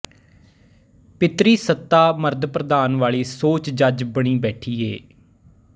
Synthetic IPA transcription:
pɪt̪ɾiːsət̪ːaːməɾd̪pɾəd̪aːnʋaːɭiːsoːt͡ʃd͡ʒəd͡ʒbəɽ̃iːbɛːʈʰiːeː

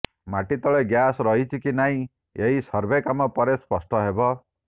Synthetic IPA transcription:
maʈit̪ɔɭeɡjasɾʌɦit͡ʃʰikinaĩ | eɦisʌɾbʱekamɔpɔɾespɔsʈʰɔɦebɔ

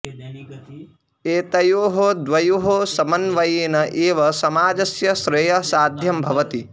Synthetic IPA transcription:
eːt̪ɐjoːɦod̪ʋɐjoɦosɐmɐnʋɐjeːnɐʔeːʋɐsɐmaːd͡ʒɐsjɐʃɾɐjɐsaːd̪ʱjɐmbʱɐʋɐt̪i

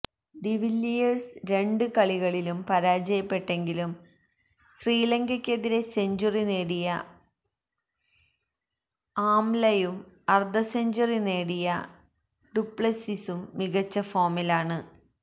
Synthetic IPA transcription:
ɖiʋilːijɐrsɾe̞ɳɖɨkɐɭiɣɐɭilumpɐɾaːd͡ʑɐjɐpːe̞ʈːe̞ŋɡilum | sriːlɐŋɡɐkʲːe̞ðiɾe̞se̞ɲd͡ʑurine̞ːɽijɐ | aːmlɐjumɐrd̪ɐseɲd͡ʑɐrine̞ːɽijɐ | ɖupːɭɐsisumːiɣɐt͡ɕːɐfoːmilaːɳɨ

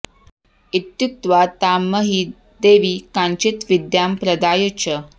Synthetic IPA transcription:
it̪juk̚t̪ʋat̪amːəɦi | d̪eʋiːkaɲt͡ɕit̪ʋid̪jampɾəd̪aːjət͡ɕə

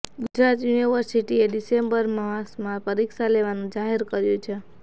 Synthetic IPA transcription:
ɡud͡ʒɾat̪juniʋəɾsiʈieɖisembəɾməasmãpəɾiksaleʋanũd͡ʒaɦeɾkəɾjũt͡ʃʰe

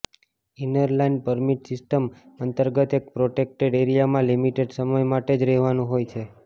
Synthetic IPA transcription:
inəɾlainpəɾmiʈsɪsʈəm | ənt̪əɾɡət̪ek̚pɾoʈek̚ʈeɖeɾijamãlimiʈeɖsəməjmaʈed͡ʒɾɛɦʋanũɦojt͡ʃʰe

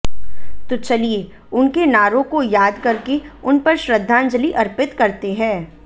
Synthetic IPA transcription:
t̪ot͡ʃɐlie | ʊnkenaːɾõkojaːd̪kɐɾkeʊnpɐɾʃɾəd̪ʱːaːnd͡ʒəliʔɐɾpɪt̪kɐɾt̪eɦɛ̃ː

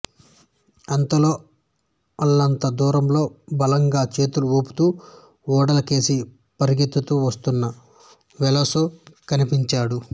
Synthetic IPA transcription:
ɐnt̪ɐlo̞ː | ɐlːɐnt̪ɐd̪uːɾɐmlo̞ːbɐlɐŋɡaːt͡ʃe̞ːt̪uluuːpu̥t̪uː | ɔːɽɐlɐke̞ːsi | pɐɾiɡit̪ːut̪uʋɐst̪unːɐ | ʋɛlɐsokɐnipiɲt͡ʃaːɽu

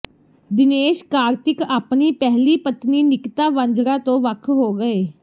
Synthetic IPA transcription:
d̪ɪneːʃkaːɾt̪ɪkaːpniːpɛɦliːpət̪niːnɪkt̪aːʋə̃ɲd͡ʒɾãːt̪õːʋəkʰɦoːɡəeː

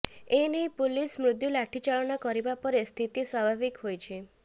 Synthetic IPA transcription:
enejpulismɾud̪julaʈʰit͡ʃaɭɔnɔkɔɾibapɔɾest̪ʰit̪iswabʱabikɦojt͡ʃʰe

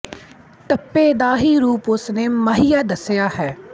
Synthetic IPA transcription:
t̪əpːeːd̪aːɦiːɾuːpʊsneːməɦijaːd̪əsjaːhɛː

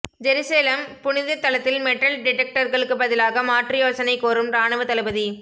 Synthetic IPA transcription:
d͡ʒɛɾɯseːlɐmpʊnɪðɐt̪ːɐlɐt̪ːɪlmɛʈːɐlɖɪʈːɛk̚ʈɐɾɣɐɭɯkːɯbɐðɪlaːɣɐmaːʈrɪjoːsɐnɐɪkːoːɾɯmɾaːnɐʋɐt̪ːɐlɐbɐði

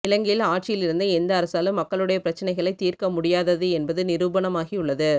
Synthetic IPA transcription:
ɪlɐŋɡɪjɪlaːʈ̚t͡ʃɪjɪlɪɾɯnd̪ɐɛnd̪ɐːɾɐsaːlɯmːɐkːɐɭɯɽɐjɐpɪɾɐt͡ʃːɐnɐɪɣɐɭɐɪt̪ːiːrkɐmʊɽɪjaːðɐðɯɛnbɐðɯnɪɾuːbɐnɐmaːɣiʊɭːɐðɯ

